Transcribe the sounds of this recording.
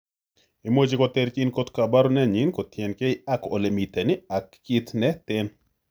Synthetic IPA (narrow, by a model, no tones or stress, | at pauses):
imwot͡ʃikɔt̪ɛɾt͡ʃɪnkot̪kabaɾonɛɲɪnkɔt̪jɛnkeɪako̰lemit̪ɛnɪakːɪt̪nɛt̪ɪn